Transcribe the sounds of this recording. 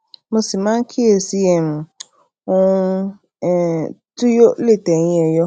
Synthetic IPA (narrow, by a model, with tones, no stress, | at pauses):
mʊ̃˦si˨mã˦ŋ˦kʰi˦e˨si˦jɛ˨m˨ | wɔ˦u˦˨ | tʊ˦jo˦le˦˨tɛ˨ɲ˦ɛ˨jɔ˦